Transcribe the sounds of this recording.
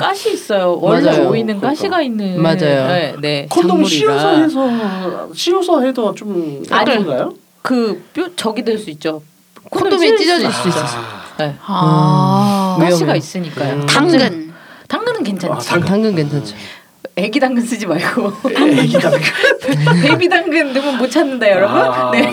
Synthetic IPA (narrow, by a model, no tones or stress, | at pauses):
k͈aɕʰiːs͈ʌjowʌd͡ʑjooinɯnk͈aɕʰiɡainːɯmad͡ʑajoene̞kʰotʰoŋoɾiiasʰɦesʰʌɕʰiosʰaɦesʰot͡ɕomaɲɡɯiɡajo | kɯp͈jot͡ɕʌɡidweɭs͈uit̚t͡ɕ͈o | kʰot͈ʰoet͡ɕ͈id͡ʑʌd͡ʑiɭs͈duiss͈ʌone | eoiɡais͈ɯɲik͈ajotaŋɯɡɯntaŋɡɯnɯnkwent͡ɕʰataŋɡɯnkent͡ɕʰad͡ʑʰo | e̞ɡidaŋɡɯns͈ɯd͡ʑimaɭɡoaɡɯi | pebidaŋɡɯndɯmɯnmot͡ɕʰanːɯndajʌɾʌbunːe̞